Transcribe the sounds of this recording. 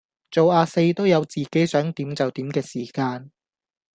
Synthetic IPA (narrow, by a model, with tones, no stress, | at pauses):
t͡so˨waː˧se˧jt̪o˥wjɐ˨˧wt͡siː˨ke˨˥jsœː˨˥ŋt̪iː˨˥mt͡sɐ˨wt̪iː˨˥mkɛː˧siː˨˩kaː˧n